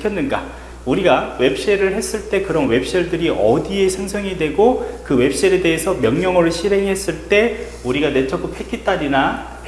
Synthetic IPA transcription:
kʰjʌnːɯnɡa̰ | uɾiɡawe̞p̚ʰɕ͈eɾɯɭhe̞s͈ɯɭt͈e̞kɯɾʌnwe̞p̚ʰɕ͈ieɭdɯɾiʔʌdie̞sʰeŋsʰʌŋidwe̞ɡokɯwe̞p̚ɕ͈eɾede̞ɦesʰʌmjʌŋɲʌŋʌɾɯɭɕʰiɾɦe̞ŋiɦe̞s͈ɯɭt͈e̞ | uɾiɡane̞t͡ɕʰʌk͈ʰopʰe̞kʰit͈aɾina

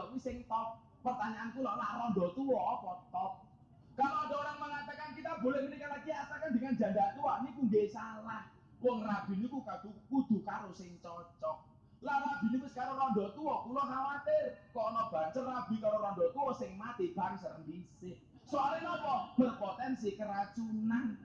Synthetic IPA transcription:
ɔkusɪŋt̪ɔp̚ | pərt̪aɲaʔːnkulɔlarɔnd̪ɔt̪uwɔpɔt̪ɔk̚ | kaɾoɔdɔoɾaŋməŋat̪akankit̪abo̤lɛhmənikalakiasakand̪əŋand͡ʒa̤nd̪at̪uwanikuŋɡesalah | wɔŋrab̥i̤nikukat̪ukud̪̥ṳkaɾosɪŋt͡ʃɔt͡ʃɔk | laʔrabi̤nipʊskaɾorɔnd̪ɔt̪uwɔkulɔɦawat̪ɪrkɔːnɔb̥a̤nsərːab̥i̤kaɾoɾɔnɖɔt̪uwɔsɪŋmat̪ib̥a̤ŋsaɾəŋpisɪh | soalilɔpɔb̥ərpɔt̪ɛnsikəɾat͡ʃunan

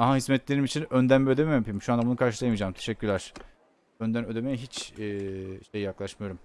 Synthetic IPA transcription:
aɦaɦizmɛt̪lʲe̞ɾimit͡ʃʰinønd̪ænbød̪ememampʰimiʃuand̪abunukʰaɾʃɯlˠajamiːd͡ʒaːmt̪ʰe̞ʃɛcʰʲːyɾlʲæɾ̥ | ønd̪ænød̪e̞mejɛɦit͡ʃː | ʃejijaklˠaʃmɯjo̞ɾum

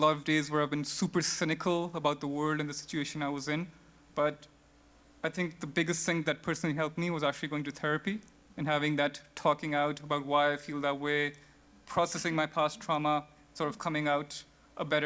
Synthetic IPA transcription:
əlɔɾʌvdeɪzwə˞aɪvbɨ̃nsupə˞sɪnɨkʰəl̩ˠəbaʊt̪̚ðəwɜ˞lˠdɨ̃nðəsɪ̥t͡ʃueɪʃɨ̃naɪwʌzɪ̃n | b̥ʌɾ | aɪθʰɪ̃ŋk̚ðəbɪɡɨstθɪ̃ŋðɨt̚pʰɜ˞sn̩l̩ˠiɦɛlˠp̚miwʌzæk̚t͡ʃʉl̩ˠiɡoʊɪ̃ŋtɨθʰɛɹɨpi | ɨ̃nɦævɪ̃ŋðɨtʰɔkɪ̃ŋaʊɾəbaʊt̚waɪaɪfilˠðət̚weɪ | pʰɹ̥ɔsɛsɪ̃ŋmaɪpʰæstʰɹ̥ɑmə | sɔɹɾʌv̥kʰʌmɪ̃ŋaʊɾ | ʔəbɛɾə

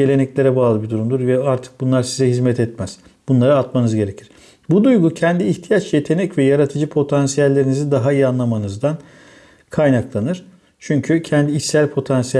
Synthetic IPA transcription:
e̞lʲe̞nɛclʲe̞ɾɛbaːlˠɯbid̪uɾumd̪uɾvɛaɾt̪ʰɯ̥k̚bunlˠaɾsizɛɦizmɛt̪ɛt̪mæz̥ | b̥unlˠaɾaat̪manɯzɟe̞ɾe̞cʰiɾ̥ | bud̪ujɡucʰɛnd̪iːçt̪ʰijat͡ʃje̞t̪ʰe̞nɛcvɛjaɾat̪ʰɯd͡ʒɯpʰo̞t̪ʰansijælʲːe̞ɾinizid̪aɦaijianlˠamanɯzd̪an | kʰajnaklˠanɯɾ̥ | t͡ʃʰyɲcʰycʰɛnd̪iːsælʲpʰo̞t̪ʰansij

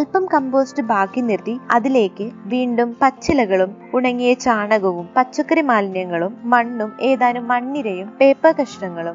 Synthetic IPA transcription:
ɐlpɐmkɐmbo̞ːsʈɨbaːkːinirt̪ːiɐðile̞ːkːɨʋiːɳɖumpɐt͡ɕːilɐɣɐɭum | uɳɐŋːijɐt͡ɕaːɳɐɣɐʋumpɐt͡ɕːɐkːrimaːlnjɐŋːɐɭumːɐɳːume̞ːðaːnumːɐɳːiɾɐjumpe̞ːpːɐkɐʂɳɐŋːɐɭum

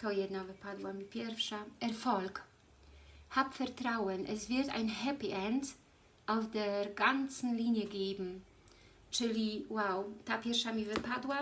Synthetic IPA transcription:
tɔjɛdnavəpʰadwamipʰɛɾfʃaʔɛɾfɔlk | hapfɛrtɾaʊənʔɛsv̥ɪɾta̰ɪnhɛpiʔɛnt | ʔaʊfdeːɾɡant͡sn̩liːnjəɡeːbm̩ | t͡ʃɪliwaʊtapɛɾʃamivəpadwa

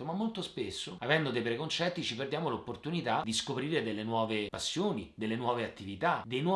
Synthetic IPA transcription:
omamːolt̪ospesːoavɛnd̪od̪ejpɾekont͡ʃɛt̪ːit͡ʃiperd̪jaːmolopːort̪unit̪ad̪iskopɾiːɾed̪elːenwɔːvepasːjoːnid̪elːenwɔːveat̪ːivit̪ad̪ejnwɔ

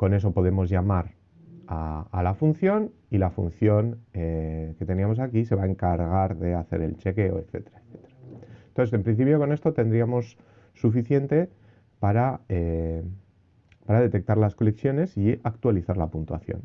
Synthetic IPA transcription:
ko̞ne̞s̬o̞po̞ðe̞mo̞zʝamaɾ | aːlafun̟θjo̞n | ilafunθjo̞ŋeke̞t̪e̞niamo̞s̬akise̞βae̞ŋkaɾɣ̞aɾðe̞aθe̞̰ɾe̞̰lt͡ʃe̞ke̞o̞̰ekθe̞̰t̪eɾaekθe̥t̪eɾant̪oθse̞mpɾinθipjo̞ko̞ne̞st̪o̞t̪e̞nd̪ɾiamo̞sː | ufiθje̞nt̪e̞ | paɾae | paɾaðe̞t̪e̞k̚t̪aɾlasko̞le̞kθjo̞ne̞siakt̪waliθaɾlapunt̪wa̰θjo̞̰n

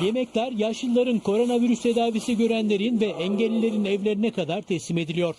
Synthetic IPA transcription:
je̞mɛclʲæɾjaʃɯlˠaɾɯnkʰo̞ɾo̞naviɾyst̪ʰe̞d̪aːvisiɟø̞ɾænlʲe̞ɾinvɛɛɲɟælʲilʲe̞ɾinɛvlʲe̞ɾinɛkad̪aɾt̪ʰɛsime̞d̪ilʲijo̞ɾ̥

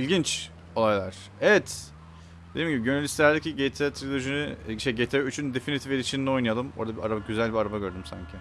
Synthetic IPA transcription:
ilʲɟint͡ʃ | o̞lˠajlˠaɾ̥ | evɛt̪ | d̪ed̪imɲɟibiɟønelʲist̪elʲæɾd̪eciɟet̪ʰat̪ʰɾilʲoʒynyʃejɟet̪ʰɾɛyt͡ʃʰynd̪efinit̪ʰifeɾʲit͡ʃʰinno̞jnajalˠɯmo̞̰ɾd̪abia̰ɾabaɟyzælʲbiaɾabaɟø̞ɾd̪ymsa̰ɲcʰɪ

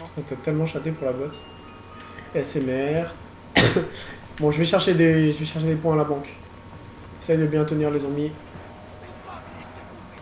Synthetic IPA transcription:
fɛ̃t̪at̪ɛlmɑ̃ʃat̪epuʁlabɔs | ɛsɛmɛʁ | bɔ̃ʒəvɛʃɛʁʃed̪eʒəvɛʃɛʁʃed̪epwɛ̃alabɑ̃k | ɛsɛjd̪əbjɛ̃t̪əniʁlezɑ̃mi

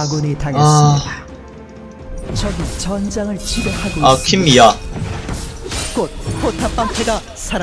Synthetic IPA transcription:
ɡunetaŋs͈ida | t͡ɕʌɡit͡ɕʌnd͡ʑaŋɯɭt͡ɕʰiɡohaɡoakʰimːia | k͈ot̚pʰotʰap͈aŋpʰeɡa | sʰaɾ

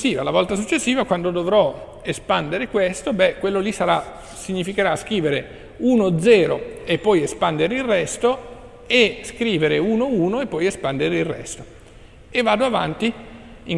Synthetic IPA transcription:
siːvalavɔlt̪as̬ut͡ʃːesːiːvakwand̪od̪ovɾɔ | espand̪eɾekwest̪obɛkwelːolisaɾa | siɲːifikeɾaskɾiːveɾe | uːnod̪zɛːɾo̰epːɔjespand̪eɾeilrːɛst̪o | eskɾiːveɾeuːnouːnoepːɔjespand̪eɾeirːɛ̰st̪o̥ | evːaːd̪oava̰nt̪i | iŋ

